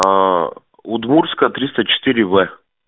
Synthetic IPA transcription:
ot̪muɾskət̪ɾist̪ət͡ʃɛ̥t̪iɾivɛ

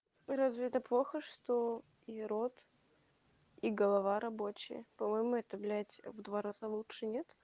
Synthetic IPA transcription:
ɾazvʲɪɛt̪əplˠoxəʂt̪o | iɾot̪ | iɡəlˠɐvaɾɐbo̞t͡ɕɪ̰jə̰pɐmojmʊɛt̪əblʲætʲvd̪vaɾazalˠutʂɨnʲet̪

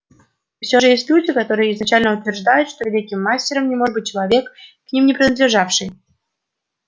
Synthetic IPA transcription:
fsʲoʐɨjesʲtʲlʲudʲɪkɐt̪o̞ɾɨjəɪznɐt͡ɕælʲnəʊt̪vʲɪrʐd̪ajʊt̪ʂt̪ovʲɪlʲikʲɪmːasʲtʲɪɾəmnʲɪmo̞ʐbɨt̚ʲt͡ɕɪlˠɐvʲe̞kː | nʲimnʲɪpɾʲɪnəd̪lʲɪʐafʂɨj

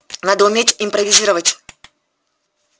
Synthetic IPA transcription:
nad̪əʊmʲetʲɪmpɾəvʲɪzʲiɾəvətʲ

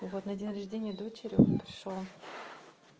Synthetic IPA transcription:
vot̪nɐdʲinəɾʲɐʐdʲenʲɪjəd̪o̞t͡ɕɪɾʲʊpɾʲɪʂolˠ

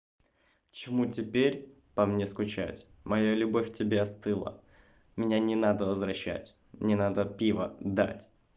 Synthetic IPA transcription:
t͡ɕɪmutʲɪpʲeɾʲ | pɐmnʲe̞skʊt͡ɕæjʊ̰tʲ | mɐjolʲʊbofʲtʲɪbʲeɐst̪ɨlˠə̰ | mʲɪnʲanʲɪnad̪əvəzvɾɐɕːæ̰tʲ | nʲɪnad̪əpʲivə̰d̪a̰tʲ

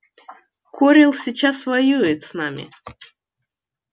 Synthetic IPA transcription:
kʰoɾʲɪlˠsʲɪt͡ɕasvɐjujɪt̪snamʲɪ̰

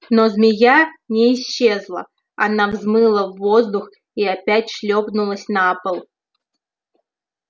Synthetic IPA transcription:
nozmʲɪjanʲɪːɕːe̞zlˠə̰ | a̰navzmɨlˠəvːozd̪ʊx | iapʲætʲʂlʲopnʊlˠəsʲnapəlˠ

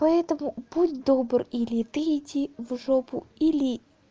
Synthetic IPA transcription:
pɐɛt̪əmʊb̥udʲd̪obrilʲɪt̪ɨːtʲivʐopʊ̰ilʲɪ

